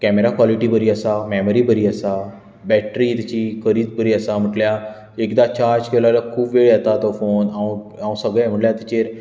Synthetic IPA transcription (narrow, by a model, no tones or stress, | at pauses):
kɛːmeɾaːkwaːlɪʈiːbəɾiːəsaːmɛːməɾiːbəɾiːəsaː | bɛːʈɾiːt̪t͡ʃiːkəɾiːt̪bəɾiːəsaːməʈljaː | ɪkd̪aːt͡ʃaːɾd͡ʒkəlalakʰuːbʋeːɭət̪aːt̪oːfʰoːnaũː | aũːsəɡẽːməʈljaːt̪et͡ʃeːɾ